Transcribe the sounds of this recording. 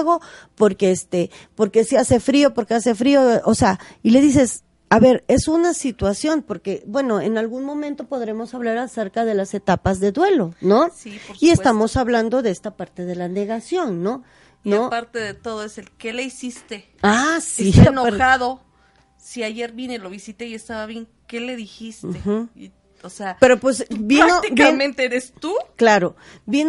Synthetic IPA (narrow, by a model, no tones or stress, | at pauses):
ɣo̞po̞ɾkeest̪epoɾke̞siase̞fɾio̞po̞ɾkease̞fɾio̞ʔoseaile̞ðis̬e̞s | aβe̞ɾe̞sunasit̪wasjo̞npo̞ɾke̞bwe̞no̞enalɣunmõ̞mẽnt̪o̞po̞ðɾe̞mo̞saβlaɾase̞ɾkaðe̞lase̞t̪apazðe̞ðwe̞lo̞no̞siie̞st̪amo̞saβland̪o̞ðe̞est̪apaɾt̪e̞ð̞e̞lane̞ɣasjo̞nːo̞ | nopaɾt̪eðet̪oðoeselkeleisist̪e | asienoxaðo̞ | siaʝe̞ɾβjine̞loβisit̪eiest̪aβaβje̞ŋ | ke̞le̞ðixistt̪ex̩ | oseape̞ɾopwes̬biɾanot̪ibkmẽnt̪eeɾest̪uklaɾo | bjin